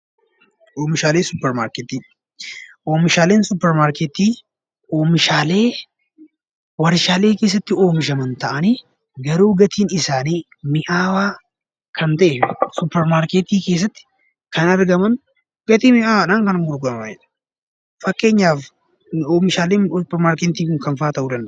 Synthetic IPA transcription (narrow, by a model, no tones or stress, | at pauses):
ʔoːmɪʃaːleːsʊpːɛɾmaːɾkeːt̪iː | ʔoːmɪʃaːleːnsʊpːɛɾmaːɾket̪iː | ʔoːmɪʃaːle̞ː | wɐɾɪʃaːle̞ːke̞ːs̬ːɐt̪ːɪo̞ːmɪʃɐmɐnt̪ɐʔɐniː | ɡɐɾuːɡɐt̪ʰiːnɪsaːniː | mɪʔaːwaː | kʰɐnt̪ɐʔeɪsʊpːɛɾmaːɾket̪iːkeːs̬ːɐt̪ːɪ̥ | kɐnɐɾɡɐmɐn | ɡ̥ɐt̪iːmɪʔaːwaːnaːŋkɐnɐŋɡʊɾɡɐnɐɛᶑɐ̥ | fɐkːe̞ːɲːaːf | oːmɪʃaːleːnʊpːɛɾmaːɾkɛnt̪iːkʊŋkɐnfaːt̪ɐʔuːd̪ɐnd̪ɐ